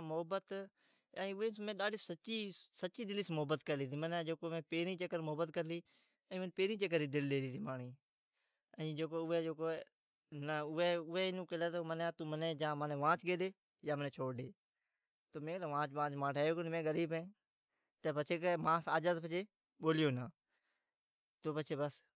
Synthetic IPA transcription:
mʊɦəbət̪ | əːʊʋẽːmẽːɗaːɖiːsət͡ʃiːsət͡ʃiːd̪ɪliːsmʊɦəbət̪kəɾliːt̪ʰiːmənːd͡ʒeːkoːmẽːpeːɾĩːt͡ʃəkəɾmʊɦəbət̪kəɾliː | əĩːmənpeːɾĩːt͡ʃək̬əɾiːd̪ɪlɗeːliːt̪ʰiːmaːɳiː | əĩːd͡ʒeːkoːʊʋeːd͡ʒoːkoː | nəʊeːʊʋɛːnũːkəleːt̪oːmənaːt̪uːmənẽːd͡ʒãːməneːʋãːt͡ʃɡeːd̪eː | jaːmənẽːt͡ʃʰoːɖeː | t̪oːmẽːt̪ãːʋãːt͡ʃʋãːt͡ʃmãːʈʰeːoːkonmẽːɡəɾiːbẽː | t̪eːpət͡ʃʰeːkemãːsaːd͡ʒaːzpət͡ʃʰeː | ɓoːljoːnãː | t̪oːpəːt͡ʃʰeːbəs

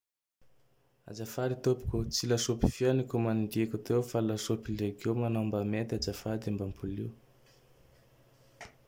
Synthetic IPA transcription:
a̰d͡ʒafaɾit̪opu̥kʲut͡silasopi̥fjanikumanɳd̪ikʲut̪ewfalasopileɡewmanambamet̪ad͡ʒafad̪ambampʰuli

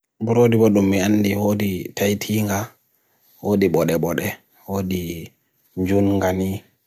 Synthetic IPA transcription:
buɾodiɓɔɗumːianːdihoːditʰajtʰiːŋɡa | woːdiɓɔɗɛɓɔɗɛ | woːdi | ɲd͡ʒunŋɡani

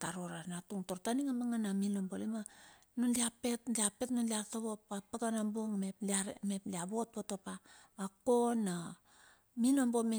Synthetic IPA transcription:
taɾoɾanatuŋtoɾtaniŋamaŋanaminombolima | nunliapetliape̞tnonliaɾtaβopapaɡanamboŋmeplaɾmepliaβot̚botopaː | kona | minombo̞me

